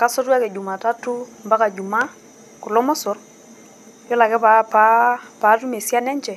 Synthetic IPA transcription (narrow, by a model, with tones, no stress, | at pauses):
ka˦sɔ˦ta˦kɛ˨d͡ʒu˨ma˨ta˦tʊ˦mba˦ka˨d͡ʒu˨ma˦ | kʊ˨lɔ˦mɔ˦sʊ˨r | jɔ˦la˨kɛ˦papa˦pa˨˦tu˦me˨sja˦nɛ˦ɲt͡ʃɛ˨